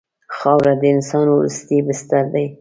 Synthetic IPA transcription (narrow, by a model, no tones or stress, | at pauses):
xɑwɾad̪əɪnsɑnwɾṵst̪ibɪst̪aɾd̪aj